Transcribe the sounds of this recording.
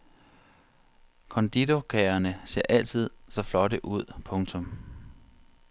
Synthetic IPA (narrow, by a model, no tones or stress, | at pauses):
kʰɒ̽nd̥id̥okʰɛɐnəse̝ɐ̰ʔæl̰t͡sʰið̞̰ˠsɒ̽flɒ̽ɾəʔuð̞̰ˠpʰɔ̽ŋt͡sʰɔ̽m